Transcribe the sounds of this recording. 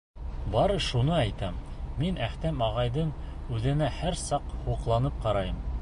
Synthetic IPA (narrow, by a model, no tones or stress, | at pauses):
bɑɾɤʃunɤæjt̪æmːinæht̪æmɑʁɑjðɤɴʉðɘ̆næhæɾsɑqhuqlˠɑnɤp̚qɑɾɑjɤm